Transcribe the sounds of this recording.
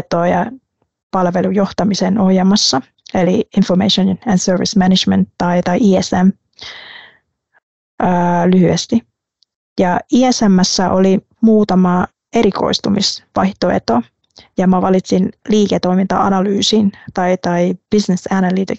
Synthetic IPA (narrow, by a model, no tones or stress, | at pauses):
t̪oːjɑ | pɑlʋelujo̞ht̪ɑmiseno̞hjemːɑsːɑ | eliiɱfomḛiʃonænsøːrʋismænid͡ʒmḛnt̪ːɑit̪ɑiʔiːesæm | ʔːlyhyest̪i | jɑiːesæmːæsːæʔoli | muːt̪ɑmɑ | e̞ɾiko̰ist̪umisʋɑjht̪oḛt̪o | jɑmɑʋɑlit̪sinliːket̪o̞imint̪ɑ̰ɑ̰nɑlyːsint̪ɑit̪ɑib̥isnesænælit̪i